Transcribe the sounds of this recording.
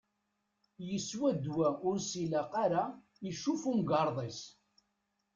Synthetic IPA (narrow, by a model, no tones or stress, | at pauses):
jəswæd̪wæʔʊɾsilæqaɾa | iʃufumɡɑɾˤðˤes